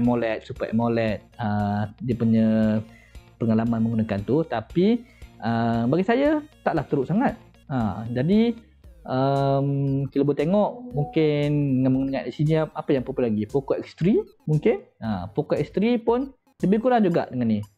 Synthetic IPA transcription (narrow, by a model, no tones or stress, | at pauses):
molɛt̪̚supaʔɛ̰molɛt̪̚ədiəpuɲə | pəŋalamanməŋɡunakant̪ut̪apiəbaɡisajat̪aʔlaht̪əɾuʔsaŋat̪̚ | ad͡ʒadi | ʔəmkiləbʊt̪eŋɔʔmuŋkɪndəŋanməŋɡunəkaʔisiniapajaŋpɾopəlaɡipokɔʔɛkst̪ɾimuŋkɪnapokɔʔɛkst̪ɾipʊn | ləbɪhkuɾaŋd͡ʒuɡa̰ʔdəŋanːi